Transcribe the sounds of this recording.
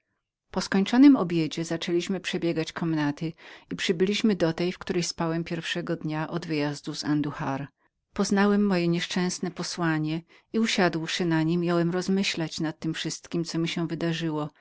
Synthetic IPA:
pɔskɔɲt͡ʂɔnɘmɔbʲjed͡ʑɛzat͡ʂɛlʲiɕmɘpʂɛbʲjɛɡat͡ɕkʰɔmnat̪ɘipʂɘbɘlʲiɕmɘd̪ɔt̪ɛjfkt̪uɾɛjspawɛmpʲjɛɾfʂɛɡɔd̪ɲaʔɔd̪vɘjazd̪uzand̪uxaɾ | pɔznawɛmːɔjɛɲɛʂt͡ʂɛ̃snɛpɔswaɲɛ | iuɕad̪wʂɘnaɲimʲːjawɛmɾɔzmɘɕlat͡ɕnat̪ːɘmfʂɘst̪kʲimt̪sɔmʲiɕɛ̃vɘd̪aʐɘwɔ

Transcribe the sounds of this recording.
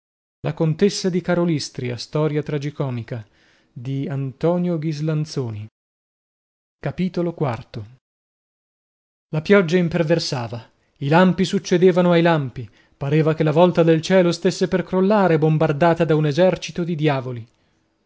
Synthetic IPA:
lakont̪esːad̪ikaɾolist̪ɾiast̪ɔːɾjat̪ɾad͡ʒikɔːmika | d̪iant̪ɔːnjoɡizlant̪soːni | kapiːt̪olokwart̪o | lapjɔd͡ʒːaimperversaːva | ilampisut͡ʃːed̪eːvanoajlampi | paɾeːvakelːavɔlt̪ad̪elt͡ʃɛːlost̪esːeperkɾolːaːɾebombard̪aːt̪ad̪aunezɛrt͡ʃit̪od̪id̪jaːvoli

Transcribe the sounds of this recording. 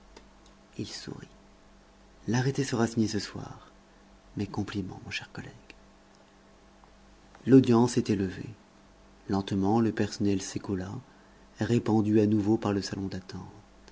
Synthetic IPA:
ilsṵʁi | laʁet̪esəʁasiɲesəswa̰ʁ | mɛkɔ̃plimɑ̰̃mɔ̃ʃɛʁkɔlɛɡ̥ | lod̪jɑ̃sɛt̪ɛləvḛ | lɑ̃t̪mɑ̃ləpɛʁsɔnɛlsekɔla | ʁepɑ̃d̪yanuvopaʁləsalɔ̃d̪at̪ɑ̃t̪

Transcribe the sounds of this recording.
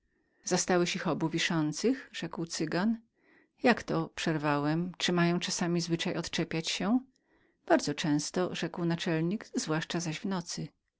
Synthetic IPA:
z̥ast̪awɛɕixɔbuvʲiʂɔnt̪sɘxʐ̥ɛkwt̪sɘɡan | jakt̪ɔpʂɛɾvawɛmt͡ʂɘmajɔ̃w̃t͡ʂasamʲizvɘt͡ʂajɔt̪t͡ʂɛpʲjat͡ɕɕɛ̃ | b̥aɾd̪zɔt͡ʂɛ̃w̃st̪ɔʐɛkwnat͡ʂɛlɲiɡzvwaʂt͡ʂazaʑvnɔt̪sɘ

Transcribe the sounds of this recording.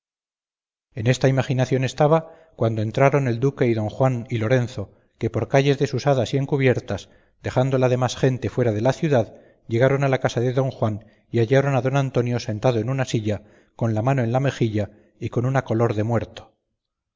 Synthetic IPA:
e̞ne̞st̪aimaχinaθjo̞ne̞st̪aβa | kwand̪o̞e̞nt̪ɾaɾo̞ne̞ld̪uke̞iðo̞ŋxwanilo̞ɾe̞nθo̞ | ke̞po̞ɾkaʝe̞zðe̞susaðasie̞ŋkuβje̞ɾt̪as | d̪̥e̞xand̪o̞laðe̞masxe̞nt̪e̞fwe̞ɾaðe̞laθjuðað | ʝe̞ɣ̞aɾo̞nalakasaðe̞ðo̞ŋxwan | iaʎaɾo̞naðo̞nant̪o̞njo̞se̞nt̪aðoe̞nunasiʎa | ko̞nlamano̞e̞nlame̞xiʎa | iko̞nunako̞lo̞ɾðe̞mwe̞ɾt̪o̥

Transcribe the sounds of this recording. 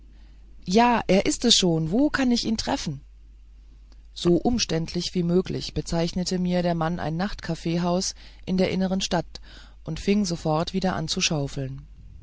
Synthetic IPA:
jaːʔeːɐʔɪstɛsʃoːnvoːkʰanɪçiːntʁ̥ɛfn̩ | z̥oːʔʊmʃtɛntʰlɪçv̥iːmøːklɪ̰çb̥ət͡saɪçnətʰəmiːɐɾeːɐmanʔa̰ɪnːaχtkʰafeːɦaʊsʔɪndeːɐʔɪnəʁ̞ənʃtat | ʔʊntfɪŋzofɔɐtv̥iːdɐʔa̰nt͡suʃaʊfl̩n

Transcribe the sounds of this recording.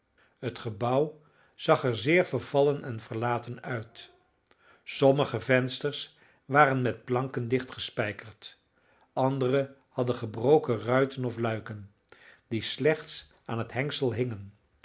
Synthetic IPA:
ɦətχəbʌw | z̥ɑχɛɹzɪːɹvəɹv̥ɑlənɛnv̥əɹlaːtənœɥt | sɔməχəvɛnstəɹs | ʋaːɾənmɛt̚plɑŋkəndɪχtχəspɛjkəɹt | ʔɑndərəhɑdəχəbrowkərœɥtənɔflœɥkən | dislɛχts | aːnɦətɦɛŋksəlˠɦɪŋən

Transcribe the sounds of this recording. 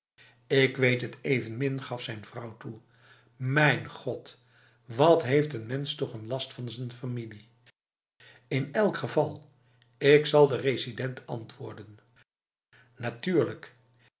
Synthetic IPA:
ɪkʋejtɦətejvənmɪnχɑfsɛjnv̥rʌwtu | mɛjnχɔt | ʋɑtɦejftənmɛnstɔχənlɑstfɑnzənfamili | ɪnɛlˠkχəvɑlˠ | ɪksɑlˠdərezidɛntɑ̰ntʋʊ̰ːɹdən | natyːɹlək

